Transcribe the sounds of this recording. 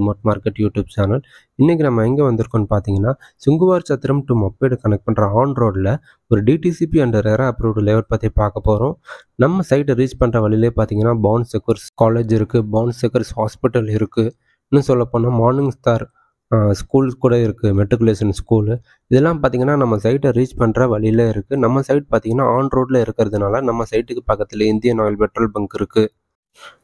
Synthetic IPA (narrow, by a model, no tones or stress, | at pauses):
mɐʈmaːɾkeʈːjuːʈjuːb̚t͡ʃaːnɐl | ɪnːɛk̬ʲːinɐmːɐɛŋɡeːʋɐnd̪ɪɯɾɯkːõnːɯpaːɾt̪iːŋɡɐnːaː | sʊŋɡɯʋaːɾt͡ʃɐt̪ːɪɾɐmʈ̪ɯmɐpːeːɽɯkɐnɛk̚ʈ̚pɐɳɾɐaːnɾoːɽɪlɐ | ɔɾɯɖiːʈisipiɐɳɖɐɾeːɾɐɐpːɯɾɾɯleːʋɐʈ̚pɐt̪ːipaːkɐpːoːɾõː | nɐmːɐsɐɪʈːɾiːt͡ʃpɐɳɾɐʋɐlɪɪleːpaːɾt̪iːŋɡɐnːaːbaːnsɛkɐɾskaːleːd͡ʒɪɾɯkːɯbaːnsɛkːɐɾshaːspɪʈːɐlɪɾɯkːɯ | nːɯsɔlːɐpːoːnaːmaːɾnɪ̃ŋɡsʈaːɾ | skuːlkuːɽɐɪɾɯkːɯmɛʈːɪkːʊleːʂɐnskuːl | ɪðɛlːãːmpaːɾt̪iːŋɡɐnːaːnɐmːɐsɐɪʈɾiːt͡ʃpɐɳɾɐʋɐɭɪɪleːɪɾɯkːɯnɐmːɐsɐɪʈ̚paːɾt̪iːŋɡɐnːaːaːɳɖɾoːɖɪlɐɪɾɯkːɪɾɐðɯnaːlɐnɐmːɐsɐɪʈːɯkːɯpɐkːɐt̪ːɪlɐɪnd̪ɪjɐnaːjlpɛʈɾɐlbɐŋkɪɾɯkːɯ